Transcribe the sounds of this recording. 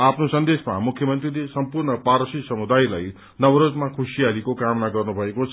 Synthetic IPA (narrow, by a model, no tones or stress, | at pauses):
apʰnosʌnd̪esma̰mukʰjʌmʌnt̪rilesʌmpurɳʌpaɾʌsisʌmud̪ajla̰j | nʌwɾod͡zmakʰusijalikokamnaɡʌrnubʱʌekot͡sʰ